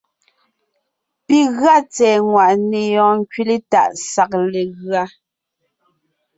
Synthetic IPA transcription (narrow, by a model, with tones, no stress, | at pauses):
pi˦ɣɰa˦t͡sɛː˨ŋwa˨ʔne˨jɔ̃ː˨ŋ˦ki˦le˦ta̰˨ʔsa˨k̚le˨ɣɰa˦